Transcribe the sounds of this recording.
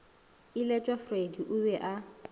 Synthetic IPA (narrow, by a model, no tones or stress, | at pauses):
ɪlɛt͡ʃʼwafrediʔʊbɛʔa